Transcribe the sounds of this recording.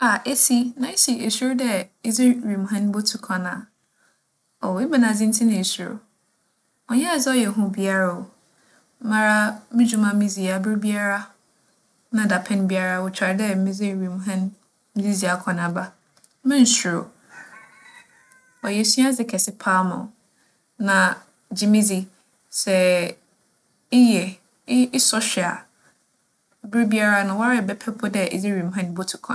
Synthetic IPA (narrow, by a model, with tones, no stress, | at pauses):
a˨ʔe˦si˦nã˨e˦ɕi˨e˨su˦ɾdɛ˦e˦zɪ˦˨ɥi˨mũ˨ɦɛ̃˦n˦bo˦tʰu˨kʰã˨nã˨ | ɔ˨e˦bɛ˨nã˨d͡zɪ̃˦n̩˦tʰɪ˦nã˨e˨su˨ɾo̰˨ | ɔ˨ɲɛ˦a˨zɪ˦ɔ˦jɛ˨ɦʊ̃˦˨bi˦a˦ɾa˨o˨˦ | mã˨ɾa˦mɪ̃˦d͡ʑu˦mã˦mĩ˦zi˨a˨bɪ˦ɾbi˦a˦ɾa˦ | nã˨da˨pʰɛ̃˦n˦bi˦a˦ɾa˦wʊ˨t͡ɕʰᶣa˨ɾdɛ˦mɪ̃˦zɪ˦˨ɾi˨mũ˨ɦɛ̃˦n | m̩˦d͡zi˦zi˨a˨kʰɔ̃˨nã˨ba˦ | mɪ̃˦n˨sɾo˨ | ɔ˨jɛ˨si˦a˦d͡zɪ˨˦kʰɛ˨sɪ˦pʰa˦mʊ̰̃˨ | nã˨ | d͡ʑi˨mĩ˦d͡zi˦ | sɛ˨ | ɪ˦jɛ˨˦ | ɪ˦sɔ˦ɕᶣɪ˨a̰˨ | bɪ˦ɾbi˦a˦ɾa˦nʊ̃˨wa˦ɾɪ˦˨bɛ˦pʰɛ˦pʰʊ˦dɛ˦˨ɪ̰˨d͡zɪ˦ɾi˨m˨ɦã˦n˦bo˦tʰʊ̥˨kʰɔ̰̃˨